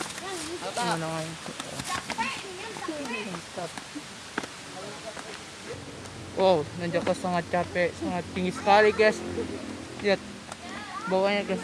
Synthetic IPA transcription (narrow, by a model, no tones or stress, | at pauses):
manaŋat̪uo̰ | t̪ap | ʔonad͡ʒakasaŋat̪̚t͡ʃapɛsaŋat̪̚ːiŋɡisə̥kaliɡas | jat̪̚ | bawaɲaɡas